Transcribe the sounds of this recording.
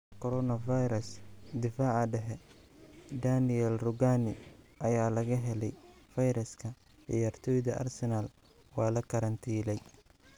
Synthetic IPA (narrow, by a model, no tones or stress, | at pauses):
kʰɔɾɔnɐfɐjɾɐsd̪ɪfaːʕɐɖɛɦɛ | d̪anɪɛlrʊɡanɪʔɐjaːlɐɣɐɦɛlɛj | fɐjɾɐskʰɐ | ʕɪ̰jaːrt̪ʰɔːjðɐʔɐ̰rsɛnal | wɑːlɐkʰɐɾɐnt̪ʰiːlɛj